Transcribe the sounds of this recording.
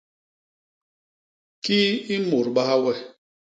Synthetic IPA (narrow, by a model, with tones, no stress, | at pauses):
kiː˦i˦mo˨ɾɓa˦a˦wɛ˦˨